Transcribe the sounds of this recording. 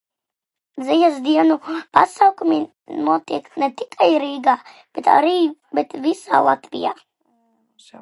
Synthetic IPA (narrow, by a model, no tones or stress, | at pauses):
zijazd̪iɛnupa̰sawkumi | nuɔt̪iɛkt̪nɛt̪i̥kʰajɾiːɡaːb̥et̪a̰ɾiːbɛt̪visa̰ːlˠat̪vḭja̰ː